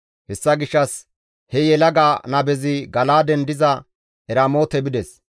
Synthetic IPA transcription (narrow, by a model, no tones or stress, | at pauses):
hɛsːɐɡɪʃːɐs | hɛjɛlɐɡaːnɐbɛzɪɡɐlaːd̪ɛnd̪ɪzɐ | ɛɾaːmo̞ːt̪ɛbɪd̪ɛs